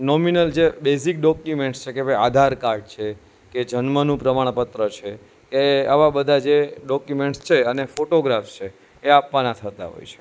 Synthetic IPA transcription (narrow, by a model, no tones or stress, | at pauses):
nɔminəld͡ʒebesik̚ɖɔkjumeɳʈst͡ʃʰekebʱəjad̪ʱaɾkaɾɖ̚t͡ʃʰe | ked͡ʒənmənũpɾəmaɽ̃pət̪ɾət͡ʃʰe | keaʋabəd̪ʱad͡ʒeɖɔkjumeɳʈst͡ʃʰeənefoʈoɡɾafst͡ʃʰeː | apʋanat̪ʰət̪a̰ɦo̰jt͡ʃʰe̥